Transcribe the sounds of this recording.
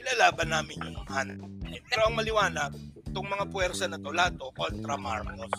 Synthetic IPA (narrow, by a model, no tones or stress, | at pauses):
ɪlalaːbɐnːaːmɪnjʊʊŋhant̪̚ɛpɛːɾoʔɐŋmɐlɪwaːnɐɡt̪ʊŋmɐŋapwɛɾsɐnɐt̪olaːd̪o̞ko̞nt̪ɾɐma̰ɹmos